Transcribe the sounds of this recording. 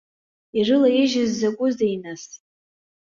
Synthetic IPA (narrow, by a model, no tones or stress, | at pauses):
irɨlajiʒɪzːakʷʼʊzdejnas